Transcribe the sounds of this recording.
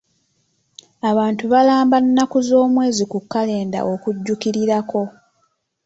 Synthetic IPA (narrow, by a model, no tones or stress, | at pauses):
aβaːntuβalaːmbanːakuzo̞ːmwe̞ːzikukːale̞ːnda̰ʔo̞kuɟːukiɾiɾakʰo̞